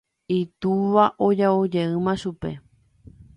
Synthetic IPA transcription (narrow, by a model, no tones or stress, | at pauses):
it̪uʋaʔod͡ʒaod͡ʒe̞ɨ̃mãʃupe̞̰